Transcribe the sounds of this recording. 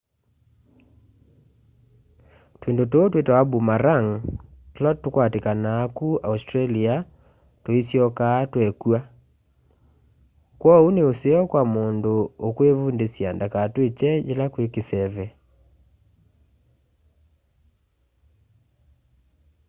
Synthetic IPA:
twendototwetwaabumaɾaŋtolɔtːukwatekanaːkuaustɾalia | toisjɔkaːtwɛkua | kwɔuneoseɔkwamondookwevundesjandakatwet͡ʃɛd͡ʒelakwekesɛβɛ

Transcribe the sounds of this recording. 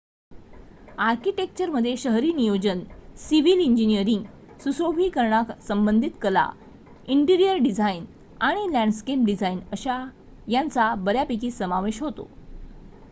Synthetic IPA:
aɾkiʈek̚t͡ɕəɾməd̪ʱːjeɕəɦɾiːnijod͡ʑənsiʋiliɲd͡ʑinijəɾiŋɡ | susobʱiːkəɾɳaksəmbənd̪ʱit̪kəla̰ | iɳʈiɾijəɾɖid͡zʱain | aɽ̃ilæ̃ɳɖskep̚ɖid͡zʱainəɕa | jant͡sabəɾjapik̬iːsəmaʋeɕɦot̪o̰

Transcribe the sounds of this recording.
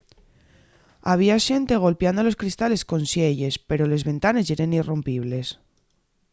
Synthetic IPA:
aβ̞iaʃe̞nt̪eɣ̞o̞lpjand̪olo̞skɾist̪ale̞skonsjeʎe̞speɾole̞zβe̞nt̪ane̞seɾenirompiβ̞le̞s

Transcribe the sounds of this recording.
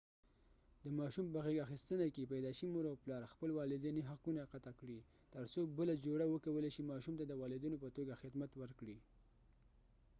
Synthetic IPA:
d̪əmɑʃumpəɣeɡaxist̪ənakepajd̪ɑʃəmoɾawplɑɾxpəlwɑlɪd̪iniɦaqunaqat̪akɽi | t̪əɾsobəlad͡ʒoɽawəkawəleʃimɑʃumt̪ad̪əwɑlɪd̪unopət̪oɡaxɪd̪mat̪wəɾkɽi

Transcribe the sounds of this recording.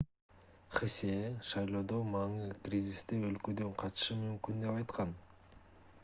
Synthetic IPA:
χesʲeʃɑjlˠo̞ːd̪o̞mɑŋɯkrʲizʲist̪eø̞lkø̞d̪ø̞ɴqʰɑt̪ʃɯmymkynd̪e̞pɑjt̪qɑn

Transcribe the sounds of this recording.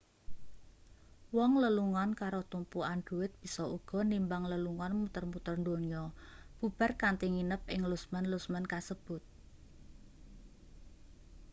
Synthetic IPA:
wɔŋləluŋɔnkaɾot̪umpuand̪̥ṳwɪt̪̚b̥i̤sɔuɡ̥ɔ̤nimbaŋləluŋɔnmut̪ərmut̪ərnd̪oɲɔb̥ub̥a̤rkant̪iŋinəp̚ɪŋlusmənlusmənkasəb̥ʊ̤t̪̚

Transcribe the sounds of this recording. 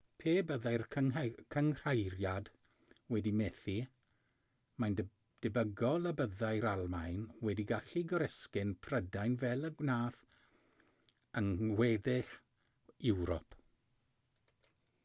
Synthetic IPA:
pʰeːbəðajrʰkʰəŋr̥ajɾjad | wɛdimɛːθi | majn | d̥ɪbəɡɔlˠəbəðajɾalˠmajnwɛdiɡaɬiɡɔɾɛskɪnpʰrədajnvɛlˠəɡnaːθ | əŋwɛdɪɬ | ɪwɾɔ̰pʰ

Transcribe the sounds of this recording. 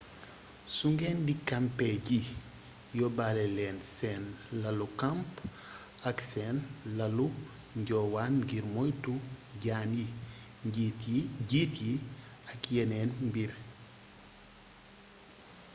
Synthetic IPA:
suŋɡɛːndikampɛɟi | jɔbalɛlɛːnsɛnlɐlukamp | ɐksɛːnlɐlu | ɲɟɔwaːnɡiɾmɔjtuɟaːnji | ɟitji | ɐkjɛnɛːnmbiɾ

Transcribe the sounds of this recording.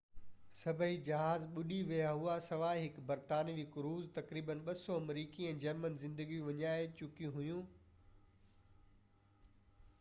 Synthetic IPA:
sɐbʱəɦid͡ʑɐɦaːzɓʊɗiʋijaɦuasɐʋaːɦɪkbɐɾt̪aːniʋɪkɾuːzt̪ɐkɾiːbənɓɐsɔɐmɾiːkiɛ̃ːd͡ʑɐɾmənzɪ̃nd̪əɡiũʋɐɲaːɦet͡ɕʊkijũɦʊjũː

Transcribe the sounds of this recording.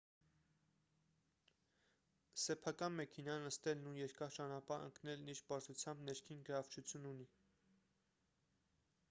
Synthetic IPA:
sɛpʰɑkɑnmɛkʰɛnɑnːəst̪ɛlnujɛɾkɑɾt͡ʃɑnɑpɑɾə̰ŋknɛlniɾbɑɾt͡sʰut͡sʰjɑmbnɛɾkʰinɡəɾɑvt͡ʃʰut͡sʰjununi

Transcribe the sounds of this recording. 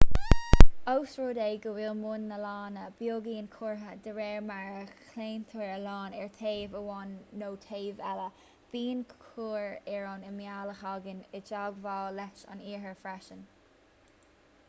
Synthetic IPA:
owsɹoːdeːɡəwilmʊnːəlɑːnəb̥joːɡiːnkʰuːɹɦəd̪əɹɛːɹmaɹəkʰleːnt̪ʰəɹəlɑːnɛɹt̪ʰeːvəwɔnːoːtʰeːvɛlə | b̥iːnkʰuːɹɛɹonəmjaːləxɑɡənɪd͡ʒaɡvaːlɛt͡ʃɑ̰niːɹɦəɹfɹaʃən

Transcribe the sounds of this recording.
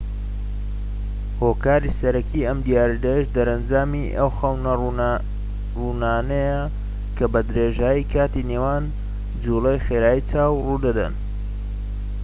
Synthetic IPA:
hoːkaːɾisɐɾɐkʰiɐmd̪ijaːɾd̪ɐjʃd̪ɐɾɐnd͡ʒaːmiʔɐwxɐwnɐ | runaːnɐjɐ | kʰɐbɐd̪ɾeʒaːjikʰaːt̪inewan | d͡zulejxeːɾaːjit͡sʰaːwrud̪ɐd̪ɐ̰n

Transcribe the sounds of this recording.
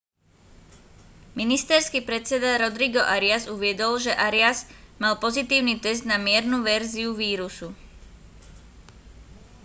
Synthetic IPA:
minist̪ɛɾskiːpɾɛt͡sɛd̪aɾɔd̪ɾiɡɔʔaɾɪazuʋɪɛd̪ɔlʒɛʔaɾɪazmalpɔzit̪iːʊnit̪ɛzd̪namɪɛɾnuʋɛɾziuʋiːɾusu

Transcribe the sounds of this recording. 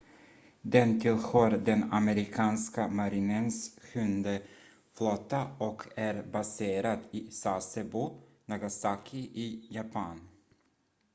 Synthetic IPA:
d̪ɛnt̪ʰɪlɧœːɾd̪ɛnamɛɾɪkʰɑːnskamaɾɪnənsɧɵnd̪ə | flɔt̪ːaɔkʰæɾbaseːɾat̪isasəbunaɡasakʰɪʔɪjapʰan

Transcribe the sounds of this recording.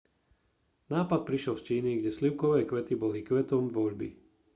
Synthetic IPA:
naːpat̪̚pɾiʃɪɛlst͡ʃiːniɡɟɛsliʊkɔʋɛːkʋɛt̪ibɔlikʋɛt̪ɔmvɔʎbḭ

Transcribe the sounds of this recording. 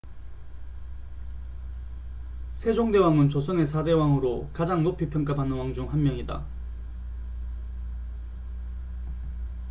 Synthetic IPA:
sʰe̞d͡ʑoŋde̞waŋɯnt͡ɕosʰʌne̞sʰade̞waŋɯɾokad͡ʑaŋnopʰipʰjʌŋk͈abanɯnwaŋd͡ʑuŋɦanmjʌŋida̰

